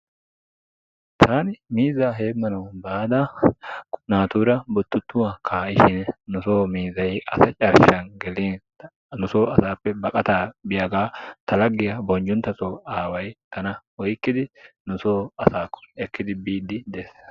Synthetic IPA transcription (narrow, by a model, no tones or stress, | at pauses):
t̪ʰaːnɪmiːzaːɦe̞ːmːɐnɐʊnbaːd̪aː | naːt̪uːɾɐbʊt̪ːʊt̪ːʊwɐkʰaːɪʃɪnnʊsoːmiːzɐjɐsɐt͡ʃʼɐɾʃɐŋɡɛleːn | nʊsoːɐsaːpːɛbɐkʼɐt̪aːbɪjɐɡaːt̪ʰɐlɐɡːɪjɐbɔnd͡ʒʊnt̪ɐsoːaːwɐjkɐnɐwɔjkːɪd̪ɪnʊsoːɐsaːkːʊ̥ɛkːɪd̪ɪbiːd̪ːɪd̪esːɐ̥